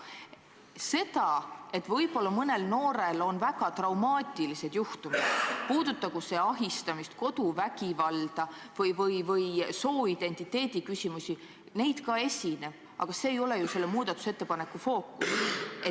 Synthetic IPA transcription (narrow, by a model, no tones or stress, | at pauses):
se̞t̪ɑe̞t̪ːvɤjbo̞lːɑmɤne̞lno̞ːɾe̞lo̞nvæɡɑt̪rɑwmɑːt̪ʲːˑilise̞d̪̥juht̪umid̪̥puːd̪̥ut̪ːɑɡ̥useɑɦist̪ɑmist̪ko̞d̪uvæɡivɑld̪̥ɑ | vɤjvɤjvɤjso̞ːid̪̥e̞nʲt̪it̪ːˑe̞ːd̪̥ikysʲimusʲi | ne̞jd̪̥kɑe̞sʲine̞b̥̚ | ʔɑ̰ɡ̥ɑse̞ːjo̞le̞juse̞lːemuːd̪̥ɑt̪ːˑu̥set̪ːe̞pɑne̞kːˑufo̞ːkːˑuse